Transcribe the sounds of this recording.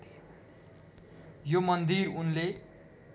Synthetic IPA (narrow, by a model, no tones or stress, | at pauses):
t̪ʰ | jomʌnd̪irunle